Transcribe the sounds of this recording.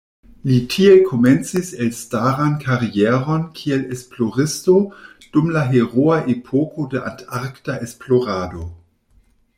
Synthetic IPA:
litʰiekʰo̞ment͡siselstaʁankʰaʁieɾo̞nkʰielesplo̞ʁisto | d̥umlaɦeʁoaʔepʰokodeʔa̰ntaɾktaʔe̞splo̞ʁado̞

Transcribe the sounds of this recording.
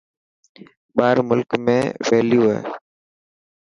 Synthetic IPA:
ɓaːɾmʊlkmẽːʋeːljuːɦḛː

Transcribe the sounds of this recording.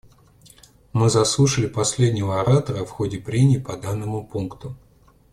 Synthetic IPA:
mɨzɐslˠuʂəlʲɪpɐsʲlʲedʲnʲɪvəɐɾat̪əɾəfxodʲɪpɾʲenʲɪːpɐd̪anːəmʊpunkt̪ʊ

